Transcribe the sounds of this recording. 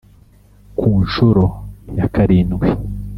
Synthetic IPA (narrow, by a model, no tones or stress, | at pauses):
kʰuːnʃuɾojakaɾiːnɡwe